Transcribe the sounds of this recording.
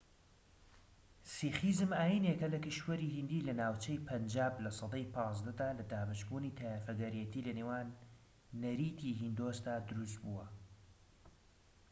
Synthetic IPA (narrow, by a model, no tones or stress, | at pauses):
siːχizɨmaːjiːnekɐlɐkɨʃwɐɾiːɦind̪iːlɐnaːwt͡ʃɐjpʰɐnd͡ʒaːblɐsˤɑd̪ɑjpʰɑːzd̪ɐd̪aːlɐd̪aːbaʃbuːniːt̪ʰajafɐɡɐɾijɛt̪ʰiːlɐnewaːnː | ɐɾiːt̪ʰiːɦind̪oːsd̪aːd̪ʊɾus̬t̪̚buːwɐ